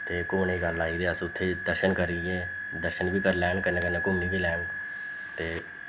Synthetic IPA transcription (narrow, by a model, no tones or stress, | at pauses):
t̪eːkʊmniːɡəlːaːiːɾeəsʊt̪ʰːeːd̪əɾʃənkəɾieː | d̪əɾʃənbiːkəɾlɛːnkənːeːkəneːkʊmniːbiːlɛːn | t̪eː